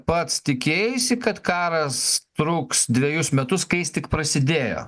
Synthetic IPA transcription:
pɐt̪st̪ʲɪkʲeːjjʊsʲɪkɐt̪kɑːɾɐst̪ɾuːksd̪ʲʋʲɛjʊsmʲɛt̪ʊskɐɪjɪst̪ʲɪkpɾɐsʲɪd̪ʲeːjo̰ː

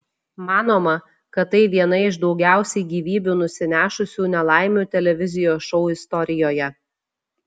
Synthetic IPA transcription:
mɑːnoːmɐ | kɐt̪ːɐɪʋʲiɛnɐɪʃd̪ɒʊɡʲæˑʊsʲɛɪɡʲiːʋʲiːbʲuːnʊsʲɪnʲæːʃʊsʲuːnʲɛlˠɑˑɪmʲuːt̪ʲɛlʲɛʋʲɪzʲɪjoːsʃɔʊɪst̪ɔɾʲɪjoːjɛ

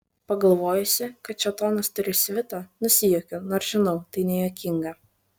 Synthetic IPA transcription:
pɐɡɐlˠʋoːjʊsʲɪkɐt̪̚t͡ʃʲɛt̪oːnɐst̪ʊɾʲɪsʲʋʲɪt̪ɐnʊsʲɪjoːkʲʊnoːɾʒ̥ʲɪnɐʊt̪ɐɪnʲɛjoːkʲɪŋɡɐ

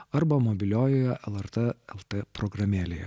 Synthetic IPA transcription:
ɐɾbɐmɔbʲɪlʲoːjoːjɛʔɛlˠɛɾt̪ɐɛlˠt̪epɾɔɡɾɐmʲeːlʲejɛ̰

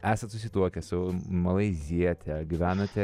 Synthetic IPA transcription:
æːsɐnt̪sʊsʲɪt̪uɔkʲɛsʊmɐlˠɐɪzʲiɛt̪ʲɛɡʲɪʋʲæːnɐt̪ʲɛ

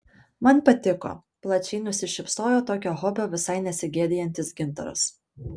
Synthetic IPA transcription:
mɐnpɐt̪ʲɪko̰ː | plˠɐt͡ʃʲɛɪnʊsʲɪʃʲɪpsoːjoːt̪oːkʲoːɦɔbʲoːʋʲɪsɐɪnʲɛsʲɪɡʲeːd̪ʲɪjɛnʲt̪ʲɪsɡʲɪnt̪ɐ̰ɾʊ̰s

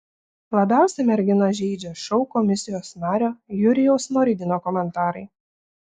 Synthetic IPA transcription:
lˠɐbʲæˑʊsʲɛmʲɛɾʲɡʲɪnɐʒʲɛɪd͡ʒʲɛʃɒʊkɔmʲɪsʲɪjoːsnɑːɾʲoːjʊɾʲɪjɛʊsnɔɾʲɪd̪ʲɪnoːkɔmʲɛnt̪ɑːɾɐɪ

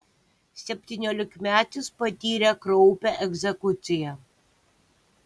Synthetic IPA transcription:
sʲɛpʲt̪ʲiːnʲoːlʲɪkmʲæːt̪ʲɪspɐt̪ʲiːɾʲɛkɾɔʊpʲɛʔɛɡzʲɛkʊt̪sʲɪjɛ

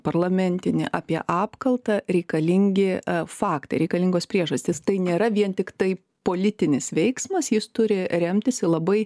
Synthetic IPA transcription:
pɐrlˠɐmʲɛnʲt̪ʲɪnʲɪ̰ʔɑːpʲiɛʔɑːpkɐlˠt̪ɐɾʲɛɪkɐlʲɪŋʲɡʲɪfɑːkt̪ɐɪɾʲɛɪkɐlʲɪŋɡoːspʲɾʲiɛʒɐsʲt̪ʲɪst̪ɐɪnʲeːɾɐʋʲiɛnt̪ʲɪkt̪ɐɪ | poːlʲɪt̪ʲɪnʲɪsʋʲɛɪksmɐsjɪst̪ʊɾʲɪɾʲɛmʲt̪ʲɪsʲɪlˠɐbɐɪ

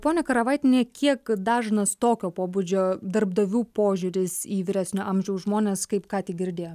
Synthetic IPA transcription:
poːnʲɛkɐɾɐʋɐɪt̪ʲɪnʲeːkʲʰiɛkd̪ɑːʒnɐst̪oːkʲoːpoːbud͡ʒʲoːd̪ɐɾbd̪ɐʋʲuːpoːʒʲʊɾʲɪsiːʋʲɪɾʲæsʲnʲoːɐmʲʒʲɛʊsʒmoːnʲeːskɐɪpkɑːt̪ʲɪɡʲɪɾʲd̪ʲeːjo

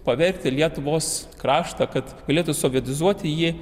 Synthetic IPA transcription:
pɐʋʲɛɾʲkt̪ʲɪlʲiɛt̪ʊʋoːskɾɑːʃt̪ɐkɐt̪ɡɐlʲeːt̪ʊsoːʋʲiɛt̪ʲɪzuɔt̪ʲɪjiː

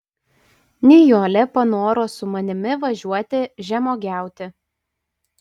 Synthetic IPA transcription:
nʲɛjoːlʲɛpɐnoːɾoːsʊmɐnʲɪmʲɪʋɐʒʲuɔt̪ʲɪʒʲɛmoːɡʲæˑʊt̪ʲɪ

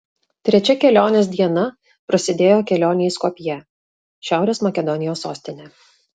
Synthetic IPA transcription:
t̪ʲɾʲɛt͡ʃʲɛkʲɛlʲoːnʲeːs̬d̪ʲiɛnɐ | pɾɐsʲɪd̪ʲeːjoːkʲɛlʲoːnʲɪskoːpʲjɛ | ʃʲæˑʊɾʲeːsmɐkʲɛd̪ɔnʲɪjoːsːoːsʲt̪ʲɪnʲɛ

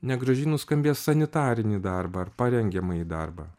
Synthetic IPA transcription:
nʲɛɡɾɐʒʲiːnʊskɐmʲbʲeːssɐnʲɪt̪ɑːɾʲɪnʲiːd̪ɑɾbɐɐɾpɐɾʲɛŋʲɡʲɛmɐiːd̪ɐɾbɑ̰

